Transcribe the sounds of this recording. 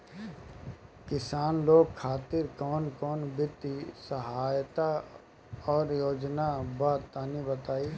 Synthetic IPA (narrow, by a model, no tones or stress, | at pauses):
kɪsaːnloːɡ̚kʰːaːt̪ɪɾkɔːnkɔːnbɪt̪ːisəɦaːjt̪a | ɔːɾjoːd͡ʒnabaːt̪aːnibət̪aːiː